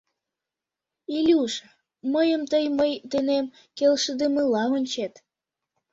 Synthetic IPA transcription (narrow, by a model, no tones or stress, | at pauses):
ilʲuʃ | məjəmt̪əjməjd̪enem | kelʃəd̪eməlɑonʲt͡ɕet̪